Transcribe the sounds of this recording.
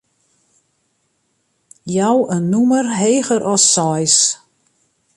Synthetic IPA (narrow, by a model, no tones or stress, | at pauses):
jawənːumərɦeːɣəɾʔɔsːɔjs